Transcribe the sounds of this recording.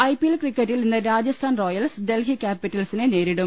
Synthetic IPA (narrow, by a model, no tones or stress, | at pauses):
ɐjpielkrikːɐtːilninːɨɾaːd͡ʑɐst̪ʰaːnro̞ːjɐlsɖelɦikʲːaːpːitːɐlsinɨne̞ːɾiɽum